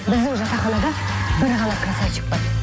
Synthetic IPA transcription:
bɪzd̪ɪŋʒɑt̪ɑχɑlˠɑd̪ɑ | bɪɾʁɑlˠɑkʰɾɑsɑt͡ʃɪ̥p̚pəz

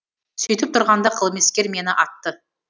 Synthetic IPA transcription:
sʏjt̪ɪp̚t̪ʰʊɾʁɑnd̪ɑqʰəlˠmeskʲe̞ɾme̞nɪʔɑt̪ːə

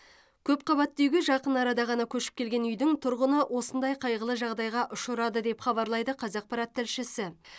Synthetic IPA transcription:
kʲʰɵp̚qʰɑβɑt̪ːewɡʲeʒɑqənɑɾɑd̪ɑʁɑnɑkʲʰɵʃɪ̥pkʲe̞lɡʲe̞nʏjd̪ɪŋt̪ʰʊɾʁənəwʔo̞sənd̪ɑjqʰɑjʁəlˠəʒɑʁd̪ɑjʁɑʔʊʃəɾɑd̪əd̪e̞pχɑbɑɾlˠɑjd̪əqʰɑzɑq̚pʰɑɾɑt̪ːɪlʃɪsɪ

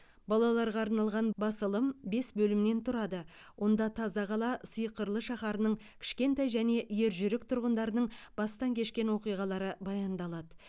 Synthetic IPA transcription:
bɑlˠɑlˠɑɾʁɑːɾnɑlˠʁɑnbɑsəlˠəmbe̞sbɵlɪmne̞nt̪ʰʊɾɑd̪ə | wʔo̞nd̪ɑt̪ʰɑzɑʁɑlˠɑsəjqəɾlˠəʃɑχɑɾənəɴ | kʲʰɪ̥ʃkʲe̞nt̪ɑjʒæne̞ʔje̞ɾʒʏɾɪkt̪ʰʊɾʁənd̪ɑɾənəɴb̥ɑst̪ɑŋkʲʰe̞ʃkʲe̞nwo̞qijʁɑlˠɑɾəbɑjɑnd̪ɑlˠɑd̪ə

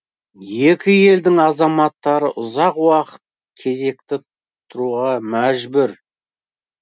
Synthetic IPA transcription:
je̞kʲɪje̞ld̪ɪŋɑzɑmɑt̪ːɑɾəʔʊzɑqwɑqə̥t̪̚ | kʲʰe̞ze̞k̚t̪ɪ | t̪ʰʊɾuʁɑmæʒbʏɾ

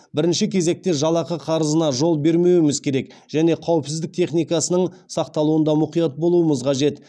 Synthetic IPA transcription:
bɪɾɪnʃɪkʲʰe̞ze̞k̚t̪e̞ʒɑlˠɑqəqʰɑɾəzənɑʒo̞lˠbe̞ɾme̞wɪmɪzkʲʰe̞ɾe̞k | ʒ̥æne̞qʰɑwəpsɪzd̪ɪk̚t̪ʰe̞χnijkɑsənəɴsɑq̚t̪ɑlˠuənd̪ɑmʊqijɑt̪̚bo̞lˠuəməzqʰɑʒe̞t̪

